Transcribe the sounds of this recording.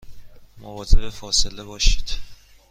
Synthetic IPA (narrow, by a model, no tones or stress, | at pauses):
movɒːzebefɒːse̞lebɒːʃiːd̪̥